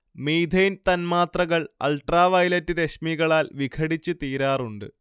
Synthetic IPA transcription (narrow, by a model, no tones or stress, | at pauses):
miːd̪ʱejnt̪ɐnmaːt̪rɐɣɐɭɐ̰lʈraːʋɐjlɐtːɨɾeɕmiɣɐɭaːlʋikʰɐɽit͡ɕːɨt̪iːɾaːruɳɖɨ̰